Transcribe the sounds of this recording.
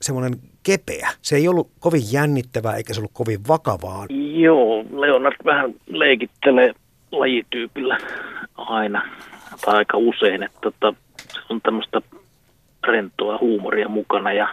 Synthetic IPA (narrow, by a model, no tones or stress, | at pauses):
semːonen | kepḛæseeˑiolːukoʋijjænːit̪ːæʋæːḛikæseolːukkoʋiʋʋɑkɑʋɑːjoːleonɑrt̪ʋæhænleˑikit̪ːeleː | lɑjit̪yːpilːæ | ɑˑinɑt̪ʰɑˑikːɑuseˑinet̪ːæot̪ːɑ | si̥t̪ːont̪æmːəst̪ɑ | rent̪ːˑoɑhuːmo̰riɑmukɑnɑjɑ